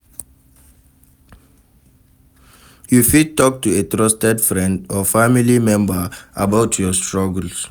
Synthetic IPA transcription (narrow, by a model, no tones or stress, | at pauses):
jufid̚tɔk̚tuetɹɔstɛdfɹɛ̃ndɔfamilimɛ̃mbəabaʊtʰjɔstɹɔɡəls